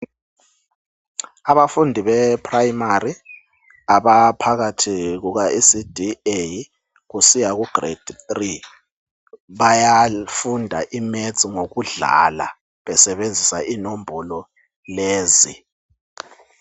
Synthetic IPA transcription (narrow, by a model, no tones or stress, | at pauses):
aβafundʱiɓɛpʰrajmari | aɓapʰaɣ̬atʰik̬uk̬aʔisid̥ʱiej | kusijak̬uɡ̥rḛd̥ʱθri | ɓajafundʱa̰ʔimed̥zʼiŋok̬uɮa̰la̰ | ɓɛsɛɓend͡zʱisainombʱɔlɔ | leːzi